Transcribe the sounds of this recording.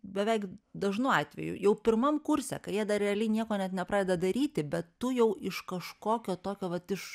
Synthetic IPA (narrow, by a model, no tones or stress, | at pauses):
bʲɛʋʲɛɪkd̪ɐʒnʊɑːt̪ʲʋʲɛ̰jʊ̰jɛʊpʲɪrmɐmkʊrʲsʲɛ̰kɐjiɛd̪ɐɾʲɛɐlʲɛɪnʲiɛkoːnʲɛt̪nʲɛpɾɑːd̪ʲɛːd̪ɐd̪ɐɾʲiːt̪ʲɪbʲɛt̪tʊjɛʊʔɪʃkɐʃkoːkʲoːt̪oːkʲoːʋɐt̪ɪʃ